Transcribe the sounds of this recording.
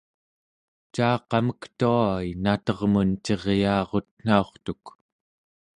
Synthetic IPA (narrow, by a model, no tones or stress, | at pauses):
t͡ʃaːqɑməkt̪uainat̪ʌʁmunt͡ʃe̞ʁjɑːʁo̞t̪̚n̥ao̞χt̪uk